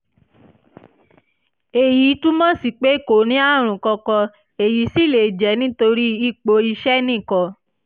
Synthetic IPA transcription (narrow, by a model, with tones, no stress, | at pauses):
e˨ji˨˦tũ˦mɔ̃˦˨si˨k͡pe˨˦˨ko˨nĩ˨˦a˦˨ɾ̃ũ˨kɔ˧kɔ˧ | e˨ji˨˦si˦˨le˨d͡ʒɛ˨˦nĩ˦to˧ɾi˦i˦˨k͡po˧i˧ʃɛ˦nĩ˦˨kɔ˧